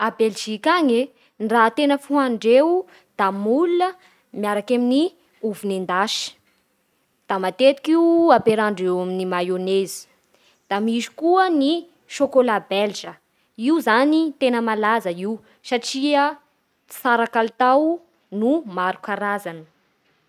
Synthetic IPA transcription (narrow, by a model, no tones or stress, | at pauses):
abelʒikaŋe | nraːt̪enəfuɦaɳɖ͡ʐew | d̪̥amuluə | miaɾakamini | uvunend̪aʃi̥ | d̪̥amat̪et̪i̥kiuapeɾaɳɖ͡ʐewaminimajonezi̥ | d̪̥amizi̥kuəni | ʃokolabeld͡ʒə | iuzanit̪enəmalazəiw | saʈ͡ʂiə̥ | saɾakalt̪aw | numaɾukaɾazanə̥